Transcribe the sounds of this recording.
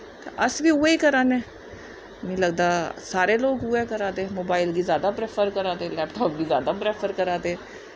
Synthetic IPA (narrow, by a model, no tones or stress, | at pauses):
t̪ḛʔəsʋiːʊeiːkəɾaːneː | mĩːləɡ̚d̪aːsaːɾeːloːɡɦʊeːkəɾaːd̪eːmoːbaːɪlɡiːzjaːd̪aːpɾeːpʰəɾkəɾaːd̪eːlɛːpʈɔːp̚ɡiːzja̰ːd̪aːpɾeːpʰəɾkəɾaːd̪e